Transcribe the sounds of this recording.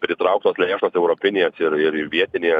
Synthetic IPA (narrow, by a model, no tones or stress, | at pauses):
pʲɾʲɪt̪ɾɐʊk̚t̪oːslʲːʃoːsɛʊɾoːpʲɪnʲeːsɪɾɪɾɪʋʲiɛt̪ʲɪnʲeː